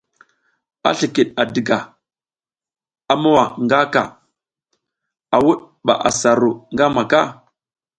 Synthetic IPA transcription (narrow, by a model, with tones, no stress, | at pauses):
a̰˦ɬi˨ki˨ɗa˨di˨ɡa˨ | a˦ma˦wa˨ŋɡa˦ka̰˨ | a˨wu˦ɗ | ɓa̰˨ʔa˨sa˨ɾo˨ŋɡa˦ma˨ka˦˨